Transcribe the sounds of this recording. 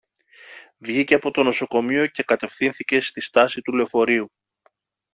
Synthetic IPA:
vʝiceɐpo̞t̪o̞no̞so̞ko̞mio̞ce̞kɐt̪e̞fθinθice̞st̪ist̪ɐsit̪uleofo̞ɾiu

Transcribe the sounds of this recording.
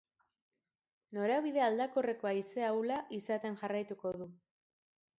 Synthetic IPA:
no̞ɾeaβ̞iðe̞ald̪akore̞ko̞aise̞awlaʔisat̪e̞nʝarajt̪uko̞ð̞u

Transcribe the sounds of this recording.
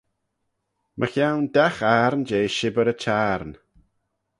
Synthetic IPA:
mʔəxjawndaxaɾnd͡ʒeːʃɪbəɾət͡ʃʰaːɾn

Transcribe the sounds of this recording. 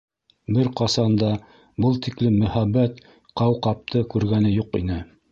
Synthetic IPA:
bɘɾqɑsɑnd̪ɑ | bɤlˠt̪iklɘmːɵ̆hæbːæt̪ | qɑwqɑp̚t̪ʰɤkʉɾɡænɘjuqḭnɘ

